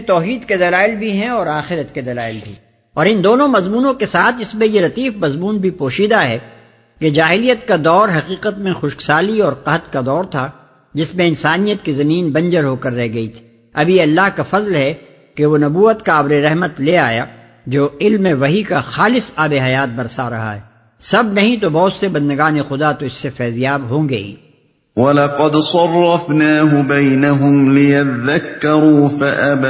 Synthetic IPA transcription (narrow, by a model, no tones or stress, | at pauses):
t̪ɔːɦiːd̪ked̪ɐlaːɪlbʱiɦɛ̃ɔːɾaːxɪɾət̪ked̪ɐlaːɪlbʱḭ | ɔːɾɪnd̪oːnõmɐzmuːnõkesaːt̪ʰɪsmẽjeɾɐt̪iːfmɐzmuːnbʱipoːʃiːd̪aɦɛ | ked͡ʒaːɦɪlijət̪kad̪ɔːɾɦɐqiːqət̪mẽxʊʃksaːliɔːɾqɐɦt̪kad̪ɔːɾt̪ʰa | d͡ʒɪsmẽɪnsaːnijət̪kizɐmiːnbɐ̃nd͡ʒəɾɦokɐɾːɛɦɡɐit̪ʰi̥ | ɐbʱieɐlːaːɦkafɐzlɦɛ | keʋonɐbuːət̪kaːbɾeɾɛɦmət̪leaːja̰ | d͡ʒoːɪlmẽʋɐɦikaxaːlɪsaːbeɦɐjaːt̪̚bɐɾsaɾɐ̰ɦa̰ɦɛ | sɐbnɐɦĩt̪̬obɔːt̪sebɐ̃nd̪əɡaːnexʊd̪at̪oɪsːefɛːzijaːbɦõːɡɐḭː | wɐlɑqɑd̪sˤɑrˤːɑfnaːɦʊbɐjnaɦʊmlɪjat̪ðakːɑɾuːfaʔab